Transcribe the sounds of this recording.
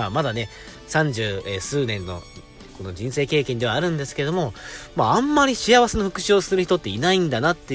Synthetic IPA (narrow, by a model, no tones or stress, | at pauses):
amad̪ane̞ | sãɲ̟d͡ʑɨːesɨːnẽ̞nːo̞̰ | ko̞no̞d͡ʑĩɰ̃se̞ːke̞ːkẽnd̪e̞βaːɾɯ̟̃nd̪e̞sɨ̥ked̪o̞mo̞maãmːaɾʲiɕijaβase̞noɸɯ̟kɯ̟ɕiosɨɾɯ̟çi̥t̪o̞t̪ːe̞inaĩnd̪anat̪ːe